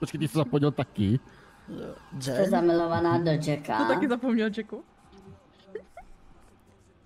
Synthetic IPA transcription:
ɾɔt͡ʃkɛt̪isɛzapɔɲɛlt̪akɪ | t̪ɛzamɪlɔvanaːdɔd͡ʒɛka̰ot̪akɪzapomɲɛld͡ʒɛku

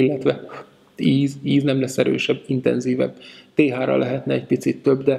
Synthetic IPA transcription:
ilːɛt̪ʋɛ | iːziːznɛmlɛsːɛɾø̰ːʃɛbːint̪ɛ̰nziːvɛ̰bt̪eːɦaːɾɒ̰lʔɛɦɛt̪nɛɛc̚pit̪sit̪ːøbd̪ɛ

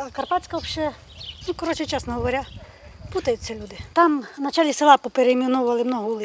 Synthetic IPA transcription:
kɐrpatʲt͡sʲkɐɔpʃɛ | nukɔɾɔt͡ʃɪt͡ʃɛsnɔɦɔʋɔɾʲa | put̪ɐjʊt͡sʲɐlʲud̪ɪt̪ɑmnɐt͡ʃalʲisɪlˠɑpɔpeɾemʲinɔʋʋɐlˠɪmnɔɦɔulˠɪ

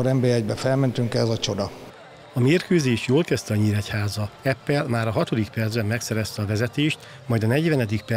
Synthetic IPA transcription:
oɾɛmbɛɛɟbɛfɛlmɛnt̪yŋkɛzɒt͡ʃo̞d̪ɒ | ɒmeːrkøːzeːʃjoːlkɛst̪ɛɒɲiɾɛchaːzɒɛpːɛlmaːɾɒɦɒt̪o̞d̪ikpɛrd̪zbɛmːɛksɛɾɛst̪ɛɒvɛzɛt̪eːʃt̪ | mɒjd̪ɒnɛɟvɛnɛd̪ik̚pɛ

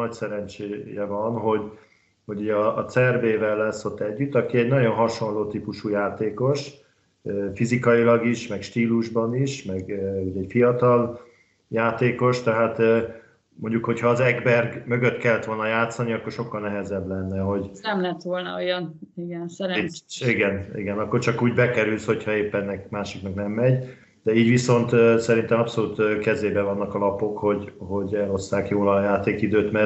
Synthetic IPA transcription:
ɒcsɛɾɛnt͡ʃeːjɛvɒnɦo̞ɟ | ho̞ɟuːɟɒːt̪sɛrbeːvɛlːɛsːo̞t̪ːɛɟːyt̪ːɒkiɛɟnɒɟo̞nɦɒʃo̞nloːt̪iːpuʃuːjaːt̪eːko̞ʃ | fizikɒilɒɡiʃmɛkʃt̪iːluʒbɒniʃmɛɡuɟɛcfijɒt̪ɒl | jaːt̪eːko̞ʃt̪ɛɦaːt̪ː | mo̞ɲɟukho̞chɒːzɛɡbɛrɡmø̞ɡøt̪kɛlːɛt̪ʋo̞lnɒjaːt̪sɒniɒkːo̞rʃo̞kːɒlnɛɦɛzɛblɛnːɛɦo̞ɟnɛmlɛt̪ʋo̞lnɒ̰ojɒniɡɛnsɛɾiɡɛnḭɡɛnɒkːo̞rt͡ʃɒkuːɟbɛkɛɾylsho̞cʰhɒeːpːɛɛnːɛkmaːʃiknɒknɛmːɛɟ | d̪̥ɛiːɟʋiso̞nt̪ːsɛɾint̪ɛmɒpso̞luːt̪ːkɛzeːbɛvɒnːɒkɒlɒpo̞kho̞ɟɦo̞ɟɛlo̞sːaːkjoːlɒjaːt̪eːkid̪øːt̪mɛ

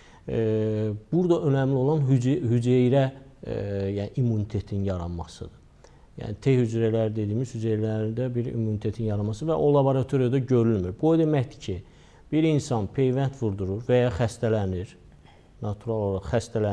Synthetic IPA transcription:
b̥uɾd̪ɑʔø̞næmlio̞lˠɑnɦhyd͡ʒejɾæ | jænʔimːunit̪ʰe̞t̪ʰinjɑɾɑnmɑ̰sɯ̰d̪̥ɯ | jæ̰nit̪ʰehyd͡ʒɾælæɾid̪e̞d̪iːmiz̥hyd͡ʒejlæɾind̪æbiɾḭmːunit̪ʰe̞t̪ʰinjɑɾɑnmɑsɯvæʔo̞lˠɑboɾɑt̪ʰo̞ɾijad̪ɑɟø̞ɾylmyɾbud̪e̞mæçd̪i̥cʰi | b̥iɾinsɑnpʰe̞jvænt̪ʰvuɾd̪uɾuɾvæjɑxæst̪ælæniɾ | nɑt̪ʰuɾɑlˠoɾɑχæst̪ʰælæ

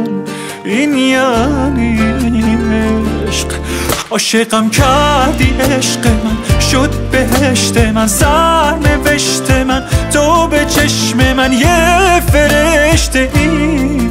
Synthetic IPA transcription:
inijanininieʃq | ɒːʃeɣæmcʰæɾd̪iʔeʃqemænʃod̪̚beɦeʃt̪ʰemænzæɾɾne̞veʃt̪ʰe̞mænt̪ʰobe̞t͡ʃʰeʃmemænjefe̞ɾeʃt̪ei

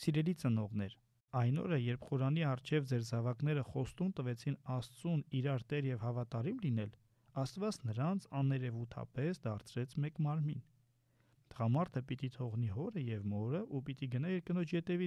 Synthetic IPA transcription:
siɾɛlit͡sənɔʁnɛɾ | ɑjnɔ̰ɾəjɛɾpʰχɔɾɑniɑrt͡ʃʰɛvd͡zɛɾzɑvɑkn̪ɛɾəχɔst̪umt̪əvɛt͡sʰinɑst͡suniɾɑɾt̪ɛɾjɛvhɑvɑt̪ɑɾimlinɛl | ɑst̪vɑt͡snəɾɑnt͡sʰɑnɛɾɛvut̪ʰɑ̰pɛsd̪ɑɾt͡sʰɾɛt͡sʰmɛkmɑɾmin | t̪əʁɑmɑɾt̪ʰəpit̪it̪ʰɔʁniɦɔɾəjɛvmɔɾəʔupit̪iɡənɑjɛɾkənɔt͡ʃʰjɛt̪ɛvi

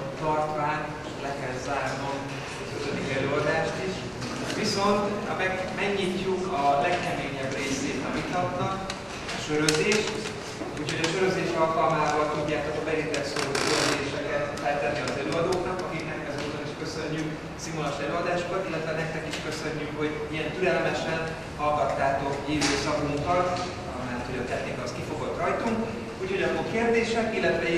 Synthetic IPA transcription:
t̪ɒrt̪ʋaːn | ʃlɛkɛlzaːrno̞m | køzød̪ikɛløːɒd̪aːʃt̪iʃ | ʋiso̞nt̪ɒ̰mɛɡmɛɡɲiːcːukɒlɛkkɛmeːɲɛbreːseːt̪ɒmit̪nɒt̪nɒk | ɒʃøɾøzeːʃt̪ | uːcho̞ɟɒʃøɾøzeːʃɒlkɒlmaːbɒlt̪uɟːaːt̪okɒbɛɾint̪ɛk̪soɾoːkøzeːʃɛkɛt̪ | ɛlt̪ːɛnːiɒzɛløːɒd̪oːknɒkɒkiknɛkːɛzoːt̪oniʃkø̞sø̞ɲːyk | simolɒʃɛløːɒd̪aːʃokɒt̪ilːɛt̪ʋɛnɛk̚t̪ɛkiʃkø̞sø̞ɲːykho̞ɟ | iɛnt̪yɾɛlmɛʃɛn | hɒlɡɒt̪ːaːt̪o̞kiːvøːsɒɡuŋkɒ | ɒ̰mɛlːɛt̪ho̞ɟɒt̪ɛxnikɒoskifo̞ɡot̪ːrɒjt̪uŋk | uːcho̞ɟɒpokeːrd̪eːʃɛkilːɛt̪ʋɛ

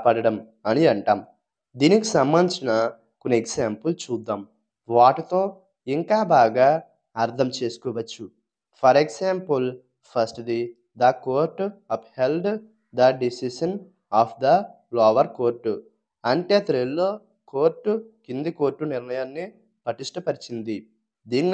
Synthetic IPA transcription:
pɐɽɐɽɐm | ɐniɐɳʈaːm | d̪iːnikisɐmbɐnt͡ʃinɐ | konieɡsaːmpɐlt͡ʃuːd̪ːaːm | ʋaːʈit̪oː | iŋkaːbaːɡaː | ɐɾt̪ʰɐmt͡ʃe̞ːsu̥kɔːʋɐt͡ʃːu | pʰɐɾeksaːmpɐl | pʰɐsʈd̪i | d̪ɐkoːɾʈːɐphelɖ | d̪ɐɖisiʃɐn | aːpʰd̪ɐ | lɔːʋɐɾko̞ːɾʈːu | ɐɳʈe̞ːt̪ɾelːo̞ː | ko̞ːɾʈːukind̪iko̞ːɾʈːuniɾnɐjaːnːi | pɐʈiʂʈɐpɐɾit͡ʃind̪i | d̪iːni

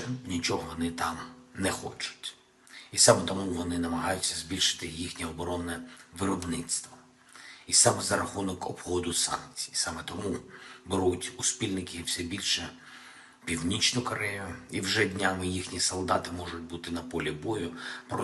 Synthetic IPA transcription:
nʲit͡ʃɔɦɔʋɔnɪt̪ɑmnɛxɔ̰t͡ʃʊ̥tʲ | isɑmɛt̪ɔmuʋɔnɪnɐmɐɦɑjʊtʲːɐzbʲilʲʃɪ̥t̪ɪjixnʲiɔbɔɾɔnɛʋɪɾɔbnɪt̪st̪ʋɐ | isɑmɛzɐɾɐxunɔkɔ̰bxɔd̪ʊsɑ̰nk̚t͡sʲi̥jisɑmɛt̪ɔmubeɾutʲʊspʲilʲnɪkɪw̥sʲɛbʲilʲʃɛ | pʲiwnʲit͡ʃnʊkɐɾɛjʊiwʒɛdʲnʲamɪjixnʲisɔlˠd̪ɑt̪ɪmɔʒʊt̚ʲbut̪ɪnɐpɔlʲibɔjʊpɾɔ

